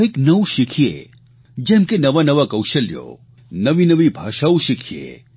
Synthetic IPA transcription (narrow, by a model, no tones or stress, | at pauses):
eknəʋʃɪkʰijḛ | d͡ʒɛ̃mkenɐʋanɐʋakɐwʃəljo̰ | nəʋinəʋibʱaːʃauʃɪkʰijḛ